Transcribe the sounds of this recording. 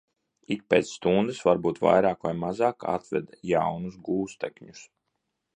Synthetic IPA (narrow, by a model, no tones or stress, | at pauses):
ik̚peːt̪sːt̪und̪ɨsvaɾbuːt̪va̰jɾaːkvajmazɑːka̰t̪vɛ̰d̪jawnusɡuːst̪ɛkɲus